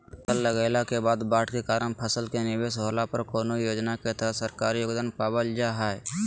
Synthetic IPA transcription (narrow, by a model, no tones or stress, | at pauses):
t̪əlːəɡaːɪlakebaːd̪baːʈʰkekaːɾənpʰəsəlkenɪbeːsɦoːlapəɾkoːnojoːd͡ʒnaket̪əsəɾkaːɾijoːɡd̪aːnpaːbəld͡ʒaɦɛːɛ